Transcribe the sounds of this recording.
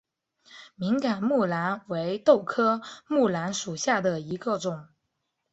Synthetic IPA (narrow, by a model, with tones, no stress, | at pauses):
mi˧˥ŋka˨˩nmu˥˩la˧˥nwe˧˥ɪt̪o˥˩ʊkʰɤ˥mu˥˩la˧˥nʂu˨˩ɕja˥˩d̪ə˩i˧˥ɡə˧ʈ͡ʂʊ˨˩˦ŋ